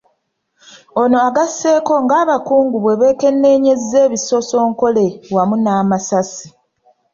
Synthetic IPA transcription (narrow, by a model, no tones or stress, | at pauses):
o̞no̞aɡase̞ːko̞ŋɡaːβakuːŋɡuβwe̞βe̞ːke̞nːeːɲe̞ze̞ːβiso̞so̞ːŋko̞le̞wamunaːmasasi̥